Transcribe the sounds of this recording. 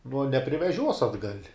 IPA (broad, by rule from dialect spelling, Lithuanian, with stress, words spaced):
nuɔ nʲɛpʲrʲɪʋʲɛˈʒʲuɔs ɐdˈɡɐlʲ